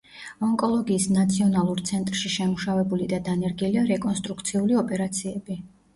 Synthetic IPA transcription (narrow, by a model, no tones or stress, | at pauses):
ɔŋkʼɔlˠɔɡiːsnat̪sʰiɔnalˠuɾt̪sʰɛnt̪ʼɾʃiʃɛmuʃavɛbulid̪ad̪anɛɾɡiliaɾɛkʼɔnst̪ʼɾukʰt̪sʰiuliɔpʼɛɾat̪sʰiɛbi